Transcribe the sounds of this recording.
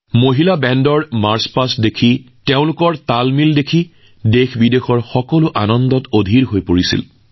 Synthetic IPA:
moɦilabɛndɔɹmaɹspasdekʰi | teʊ̃lʊkɔɹtalmildekʰi | dexbidexɔɹxɔkɔlʊʔanɔndɔtodʱiɹɦojpoɹisḭl

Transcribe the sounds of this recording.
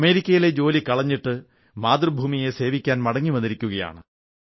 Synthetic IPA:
ɐme̞ːɾikʲːɐjile̞d͡ʑo̞ːlikɐɭɐɲːiʈːɨ | maːd̪rɨbʱuːmije̞se̞ːʋikʲːaːnmɐɽɐŋːiʋɐnd̪iɾikʲːuɣɐja̰ːɳɨ

